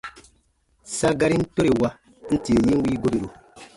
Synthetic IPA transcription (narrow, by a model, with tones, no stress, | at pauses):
sa˦ɡa˦ɾi˦n̩˦to˦ɾe˨wa˦ | n̩˦ti˨ji˦ŋ̩˦wiː˦ɡo˦ɾi˨ɾu˨